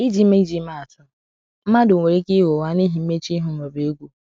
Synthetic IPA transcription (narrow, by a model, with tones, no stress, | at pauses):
i˦d͡ʒi˦me˦d͡ʒi˦ma˦a˨tʊ˦ | m̩˦a˦dʊ˨ŋʷe˨ɾe˦ki˦wo˨wa˦ni˦ɦi˨m̩˦me˦t͡ʃi˦ɦʊ˨e˨be˨e˦ɡʷu˦